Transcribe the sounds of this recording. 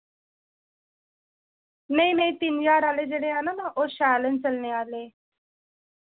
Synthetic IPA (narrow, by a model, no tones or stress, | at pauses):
nəjnəit̪iːnjaːɾaled͡ʑeɽeananaʔoɕaːlənt͡səlneale